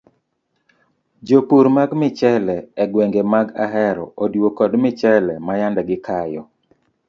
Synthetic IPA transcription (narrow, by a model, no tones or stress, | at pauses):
d͡ʒopuɾmaɡmɪt͡ʃɛlɛɛɡweŋɡemaɡaɦɛɾɔ̰odwokɔdmɪt͡ʃɛlɛmajandɛɡɪkajɔ